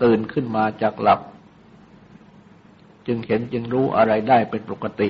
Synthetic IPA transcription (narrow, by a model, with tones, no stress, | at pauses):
t̪ɯː˨˩nkʰɯ˥˩nmaː˧t͡ɕaː˨˩k̚la˨˩p̚ | t͡ɕɯ˧ŋhe˩˦nt͡ɕɯ˧ŋɾuː˦˥ʔa̰˧ɾa˧jdaː˥˩jpe˧npo˨˩kːa˧t̪i˨˩ʔ